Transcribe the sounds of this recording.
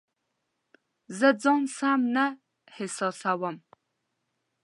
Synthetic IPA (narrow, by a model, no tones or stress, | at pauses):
zɐd͡zɐŋsaːmnɐ | ħesɐsaːwɐm